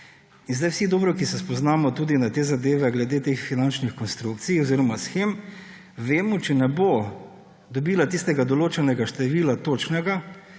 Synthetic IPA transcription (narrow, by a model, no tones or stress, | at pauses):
inzd̪ajwsid̪oːbɾɔkisɛspɔznaːmɔt̪uːd̪inat̪eːzad̪eːʋɛɡlɛd̪eːt̪eːxfinant͡ʃnixkɔnst̪ɾukt̪sijoziːɾɔmasxem | ʋeːmɔt͡ʃɛnɛbo | d̪ɔbiːlat̪ist̪ɛɡad̪ɔloːt͡ʃɛnɛɡaʃt̪ɛʋiːlat̪oːt͡ʃnɛɡa